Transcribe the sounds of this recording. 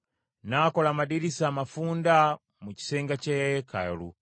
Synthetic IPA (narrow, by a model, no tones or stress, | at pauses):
nakolaːmadiɾisaːmafuːnda | muci̥seːŋɡacekajolṵ